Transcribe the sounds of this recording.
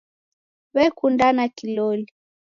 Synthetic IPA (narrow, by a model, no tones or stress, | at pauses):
βɛkundanakilɔli